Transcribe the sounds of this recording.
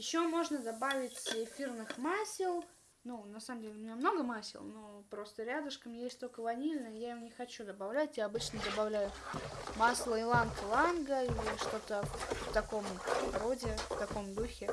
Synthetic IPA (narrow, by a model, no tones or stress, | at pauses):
jɪɕːomo̞ʐnəd̪ɐbavʲɪtʲɪfʲirnɨxmasʲɪlˠ | nunɐsaməmdʲelʲɪʊmʲɪnʲamno̞ɡəmasʲɪ̰lˠno̞pɾo̞st̪əɾʲad̪ɨʂkəmjesʲtʲt̪o̞lʲkəvɐnʲilʲnəjəjaɪnʲɪxɐt͡ɕud̪əbɐvlʲætʲjaɐbɨt͡ɕnəd̪əbɐvlʲæjʊmaslˠəɪlˠanklˠanɡəilʲɪʂt̪o̞t̪əft̪ɐko̞mɾodʲɪft̪ɐko̞md̪uxʲɪ